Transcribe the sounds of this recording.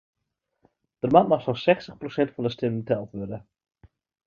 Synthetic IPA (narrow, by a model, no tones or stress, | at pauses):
d̥ərmanmaχsɔsɛxstəχprosɛntfɔndəstɪnətɛlˠtʋødə